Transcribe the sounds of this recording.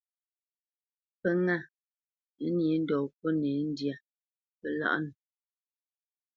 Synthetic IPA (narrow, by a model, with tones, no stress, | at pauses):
pə˦ŋa˦˨˦ | ni˨˦n̩˦dɔː˨k̚o˦ne˨˦n̩˦dja˨ | pə˨la̰˦ʔn˨